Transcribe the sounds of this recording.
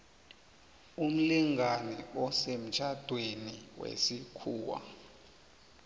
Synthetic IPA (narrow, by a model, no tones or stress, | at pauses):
um̩liŋanɛɔsem̩t͡ʃʰad̥ʱweniwḛsikʰuːwa̰